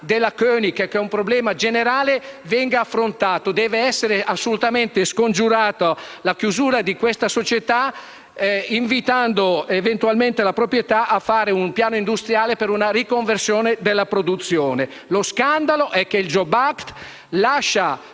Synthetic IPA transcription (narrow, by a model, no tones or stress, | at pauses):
d̪elːakøːnikakɛumpɾoblɛːmad͡ʒeneɾaːlevɛŋɡaːfːɾont̪aːt̪od̪ɛːveɛsːeɾeʔasːolut̪ament̪eskond͡ʒuɾaːt̪alakjuzuːɾad̪ikwest̪asot͡ʃet̪a | iɱvit̪and̪oevent̪ualment̪elapɾopɾjet̪aʔafːaːɾeumpjaːnoind̪ust̪ɾjaːlepeɾunaɾikoɱversjoːned̪elːapɾod̪ut̪sːjoːne | loskand̪aloʔɛkːeild͡ʒɔbakt̪ | laʃːa